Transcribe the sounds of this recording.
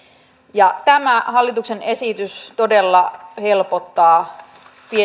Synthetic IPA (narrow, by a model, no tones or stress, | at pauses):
jɑt̪æmæhɑlːit̪ukse̞ne̞sit̪yst̪o̞delːɑhe̞lpot̪ːɑː | pie